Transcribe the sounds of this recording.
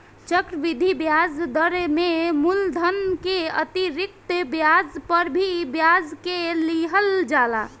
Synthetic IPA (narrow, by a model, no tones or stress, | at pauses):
t͡ʃəkɾəʋid̪ʱibjad͡zd̪əɾememuld̪ʱənkeət̪iɾik̚t̪bjad͡ʒpəɾbʱibjad͡ʒkeliɦəld͡ʒala̰